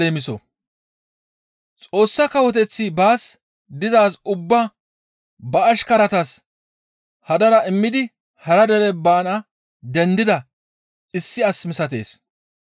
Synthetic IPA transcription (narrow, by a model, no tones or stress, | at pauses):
eːmɪsɔ̰ | t͡sʼo̞ːsːɐkɐwɔt̪ɛt͡sːɪbaːs | d̪ɪzaːsʊbːɐ | bɐːʃkɐɾɐt̪ɐs | hɐd̪ɐɾɐɪmːɪd̪ɪ | hɐɾɐd̪ɛɾɛbaːnɐ | d̪ɛnd̪ɪd̪ɐ | ɪsːɪɐsmɪsɐt̪e̞̰ːs